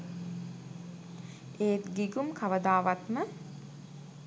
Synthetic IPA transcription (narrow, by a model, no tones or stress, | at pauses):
eːt̪ɡiɡumkʰaʋəd̪aːʋat̪mə